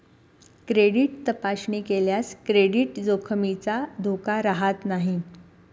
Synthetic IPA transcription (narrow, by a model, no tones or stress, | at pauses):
kɾeɽiʈ̚t̪əpaɕɳiːkeljaskɾeɽiːʈd͡zokʰəmit͡sad̪ʱokaɾaɦat̪naɦi